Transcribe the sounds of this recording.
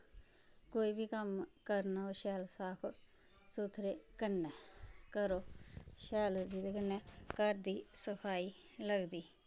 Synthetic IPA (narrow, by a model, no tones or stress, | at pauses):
koːiːbʱiːkəmkəɾnaːoʃɛːlsaːpʰ | suːt̪ʰɾeːkənːɛːkəɾoːʃɛːld͡ʒiːd̪ekənːɛːkəɾd̪iːsəpʰaːiː | ləɡd̪iː